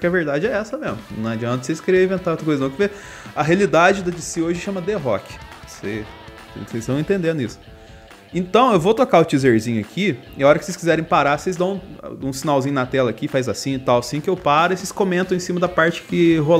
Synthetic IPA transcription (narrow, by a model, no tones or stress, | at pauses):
kɪɛɐveɾd̪ad͡ʒɪɛɛsɐmezmʊnɐ̃w̃ad͡ʒiɐ̃nt̪ɐsejskeɾiɐĩvẽnt̪aot̪ɾɐkojzɐnɐ̃w̃kɪve | ɐɦealid̪ad͡ʒɪd̪ɐd͡ʒɪsioʒɪʃɐ̃mɐd̪eɦɔkɪ̥se | ḛ̃sejst̪ɐ̃w̃ẽnt̪ẽnd̪ẽnd̪ʊisʊ̥ | ẽt̪ɐ̃w̃ewvowt̪ɾokaʊt͡ʃizeɾzĩɲʊakʰi | ɪaɔɾɐkɪ̥sejskizɛɾẽj̃paɾasejzd̪ɐ̃w̃ũsinawzĩɲʊnɐt̪ɛlɐakifajzasĩɪt̪awɐsĩkɪewpaɾʊeseskõmẽnt̪ɐ̃w̃ẽsĩmɐd̪ɐpaɾt͡ʃɪ̥kɪɦol